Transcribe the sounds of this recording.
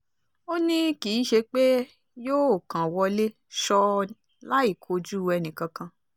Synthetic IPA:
o˦nĩ˦ki˨˦ʃe˧k͡pe˦ | joː˦o˦˨kã˨wɔ˧le˦ | ʃɔ˧ | la˦i˦˨kʰo˧d͡ʒu˦˨˧ɛ˧nĩ˨kã˨˧kã˧

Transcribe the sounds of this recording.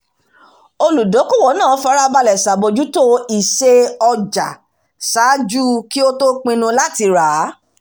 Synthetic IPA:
o˧lu˨do˨˦ku˦˨wɔ˨˦nã˦˨˦fa˦ɾa˦ba˧lɛ˨sa˨bo˧d͡ʒu˦to˦i˨ʃe˧ɔ˧d͡ʒa˨ | sa˨˦d͡ʒu˦ki˦o˦to˦k͡pĩ˧nũ˧la˦ti˨˧ɾa˨˦

